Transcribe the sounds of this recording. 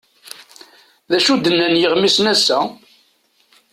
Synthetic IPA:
ðæʃud̪ənːænjəʁmisnæsːæ

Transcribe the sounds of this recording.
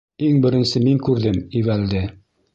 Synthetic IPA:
iŋbɘ̆ɾɘ̆nsɘmiŋkʉɾðɘmiβæld̪ɘ

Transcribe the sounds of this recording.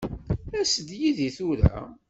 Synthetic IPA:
æsəd̪jiðiθuɾæ̰

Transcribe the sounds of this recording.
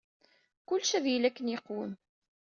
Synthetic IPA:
kʊlːʃæðjilækːənjeqːwəm

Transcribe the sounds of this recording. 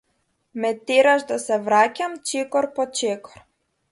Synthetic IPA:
mɛt̪eɾaʒd̪asɛvɾacʲamt͡ʃɛkɔɾpɔt͡ʃɛkɔ̥ɾ

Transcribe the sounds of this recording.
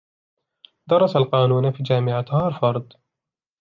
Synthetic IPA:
d̪ɑɾˤːɑsalqɑːnuːnafiːd͡ʒaːmɪʕat̪hɑːɾˤfɑɾˤd̪ˤ

